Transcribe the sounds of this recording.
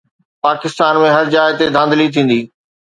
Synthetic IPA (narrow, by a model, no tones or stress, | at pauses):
paːkɪst̪aːnmẽɦɐɾd͡ʑaːɪt̪ed̪ʱãːnd̪əlit̪ʰĩːn̆d̪iː